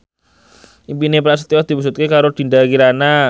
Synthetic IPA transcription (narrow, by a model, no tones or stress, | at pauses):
impinepɾast̪iɔd̪̥ipus̬ut̪̚kekaɾod̪̥i̤ndakiɾana